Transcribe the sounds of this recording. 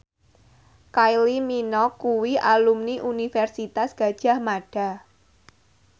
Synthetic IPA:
kajliminɔkuwiʔalumniʔunifɛrsit̪asɡ̥ä̤d̥ʒ̥a̤hmaɖ̥a̤

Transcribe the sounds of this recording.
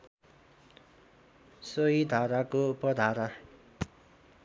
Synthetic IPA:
soid̪ʱaɾakopʌd̪ʱaɾa

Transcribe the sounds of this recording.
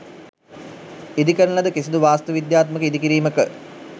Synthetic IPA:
id̪ikəɾlɐd̪əkisid̪uʋaːst̪əʋid̪jaːt̪məkəid̪ikiɾiːməkə

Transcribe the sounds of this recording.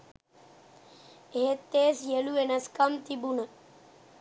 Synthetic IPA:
eːt̪ːeːsjeluenaskəmt̪ibunə

